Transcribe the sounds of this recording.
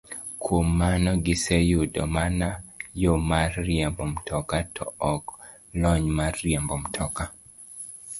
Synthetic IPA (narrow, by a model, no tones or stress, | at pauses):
kʰwomːanɔɡɪsejudɔ̰manajomarːjɛmbɔmtʰɔkatʰɔ̰ɔk | lɔɲmarːjɛmbɔmtʰɔka